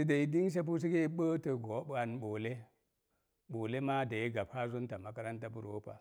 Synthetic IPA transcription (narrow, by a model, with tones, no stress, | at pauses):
si˦da˨i˦di˦ns̬e˦p̬u˦s̬i˦ɡe˦ɓə˦tə˨ɡo˨˦ɓa˨nɓo˨le˦ | ɓo˨le˦ma˦da˨ji˦ɡa˨p̚ha˦zu˦nta˨ma˨˦ka˦ɾa˦nta˦bu˨ɾo˦pa̰˨